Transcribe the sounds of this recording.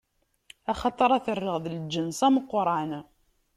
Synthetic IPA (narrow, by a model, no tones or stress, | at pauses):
æχɑt̪ˤɑɾˤɑθərːəʁðəld͡ʒːənsæməqːɾˤan